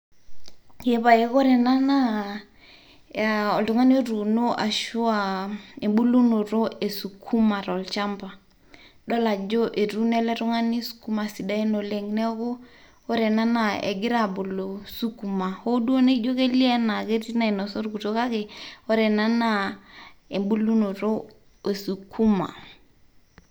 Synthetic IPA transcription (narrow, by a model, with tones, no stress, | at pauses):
je˦βa˨je˨ɣɔ˦ɾɛ˨na˦na˦˨ | ɔ˨ldu˨ŋa˦n˦e˦ɾu˨no˦ʔa̰˨ʃu˦a˨e˨ɓu˦lu˦no˨ɾo˦e˨su˨kʰu˦ma˨ɾlt͡ʃa˦mba˨ | ɗɔ˦la˨d͡ʒo˦ʔe˨ɾu˦nɛ˦lɛ˦ɾu˦ŋa˦ni˦su̥˨ku˦ma˨si˨da˦i˦no˨le˨ŋnɛ˦ɣo˦ | o˦ɾɛ˨na˦na˦˨ḛɛ̰˨ɡɪ˦ɾa˦˨bo˨lo˨su˦ku˨ma˨ho˦du˦o˦ne˦d͡ʒo˦ke˦li˦ɛ˦na˨ke˦ti˦na˨e˨nɔ˨sɔ˦ɾɡu˨to˦ka˦ke˨ɔ˦ɾɛ˨na˦na˦˨ | e˨mbu˦lu˦no˨ɾo˦ | e˨su˨kʰu˦ma̰˨